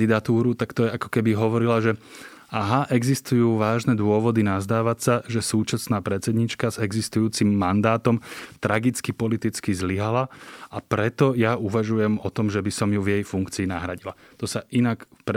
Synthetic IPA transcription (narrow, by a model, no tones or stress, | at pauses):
d̪id̪at̪uːɾut̪akt̪ɔjɛakɔ̥kɛbiɦɔʋɔɾilaʒɛ | aɦaʔɛɡzist̪ujuːʋaːʒnɛd̪ʊɔʋɔd̪inazd̪aːʋasaʒɛsuːt͡ʃasnaːpɾɛt͡sɛd̪ɲit͡ʃkazɛɡzist̪ujuːt͡simːand̪aːt̪ɔmt̪ɾaɡit͡skipɔlit̪it͡skizliɦalaapɾɛt̪ɔjauʋaʒujɛmɔt̪ɔmʒɛbisɔmjuvjɛjfuŋkt͡siːna̰ɦɾaɟilat̪ɔsaʔinakp